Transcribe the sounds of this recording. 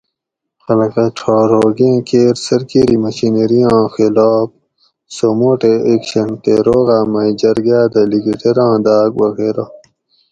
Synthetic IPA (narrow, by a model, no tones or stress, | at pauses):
xɐlɐkɐʈ͡ʂʰaːɾɦoːɡẽːkeːɾsɐɾkiɾimɐɕineɾijãːxilaːp̚ | somoːʈeekɕɐnt̪eɾoːɣaːmɐid͡ʑɐɾɡaːd̪ɐliɡiʈ̪eɾãːd̪aːk̚wɐɣeːɾaː